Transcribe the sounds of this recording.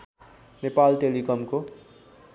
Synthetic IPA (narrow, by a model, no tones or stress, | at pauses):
nepalʈelikʌmko